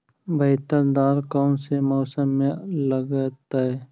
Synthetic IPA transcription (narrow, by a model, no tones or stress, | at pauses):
bəɦt̪əɾd̪aːɾkɔːnsemɔːsəmːẽləɡət̪aɦɛː